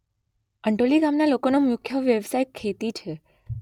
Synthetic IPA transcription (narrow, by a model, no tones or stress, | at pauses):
əɳʈoliɡamnalokonomjʊkʰːjəʋjəʋsajkʰːet̪it͡ʃʰe